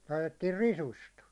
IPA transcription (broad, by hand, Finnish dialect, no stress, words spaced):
lɑitetːiːr risust